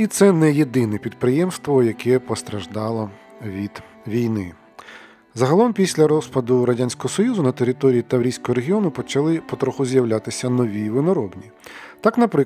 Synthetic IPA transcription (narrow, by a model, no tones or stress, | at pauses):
it̪sɛnɛjed̪ɪnɛpʲid̪̚pɾɪjɛmst̪ʋɔjɐkɛpɔst̪ɾɐʒd̪ɑlˠɔ | ʋʲid̪̥ | ʋʲijnɪ | zɐɦɐlˠɔmpʲisʲlʲɐɾɔspɐd̪ʊɾɐdʲanʲsʲkɔɦɔsɔjuzʊnɐt̪eɾʲɪt̪ɔɾʲijit̪ɐwɾʲisʲkɔɦɔɾeɦʲiɔnʊpɔt͡ʃɐlˠɪpɔt̪ɾɔxʊzʲjɐwlʲat̪ɪsʲɐnɔʋʲiʋɪnɔɾɔbnʲi | t̪ɑknɐpɾɪ